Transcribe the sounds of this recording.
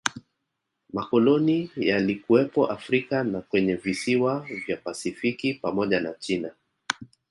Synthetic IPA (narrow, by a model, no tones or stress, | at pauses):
makɔlɔnijalikuwɛpɔʔafɾikanakwɛɲɛvisiwavjapasifikipamɔʄanat͡ʃina